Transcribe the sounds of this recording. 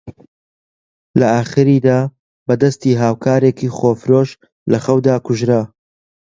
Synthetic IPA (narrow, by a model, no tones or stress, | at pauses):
lɐaːχɨɾiːd̪aː | bɐd̪ɐst̪iːɦaːwkʰaːɾeːkiːχoːfɾoʃ | lɐχɐwd̪aːkʊʒɾa